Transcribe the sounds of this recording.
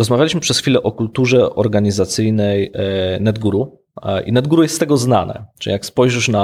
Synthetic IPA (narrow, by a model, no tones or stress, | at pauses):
ɾɔzmavʲalʲiɕmɘpʂɛsxfʲilɛʔɔkult̪uʐɛʔɔɾɡaɲizat̪sɘjnɛjnɛd̪ɡuɾu | ʔḭnɛd̪ɡuɾujɛst̪ːt̪ɛɡɔzna̰nɛ̰t͡ʂɨḭjakspɔjʐɘʂna